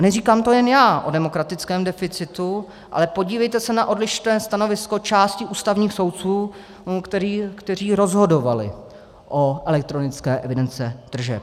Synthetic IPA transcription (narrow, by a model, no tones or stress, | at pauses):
nɛriːkaːmt̪o̞jɛnjaːʔo̞dɛmo̞kɾat̪ɪt͡skɛːmdɛfɪt͡sɪt̪u | ʔa̰lɛpo̞ɟiːvɛjt̪ɛsɛnaʔo̞dlɪʃt̪ɛːst̪ano̞vɪsko̞t͡ʃaːscɪʔuːst̪avɲiːxso̞wt̪̚t͡suː | kt̪ɛikt̪ɛr̝iːɾo̞zɦo̞do̞valɪ̰ | ʔoʔɛlɛk̚t̪ɾo̞nɪt͡skɛːʔɛvɪdɛnt͡sɛd̪̥r̩ʒɛ̰p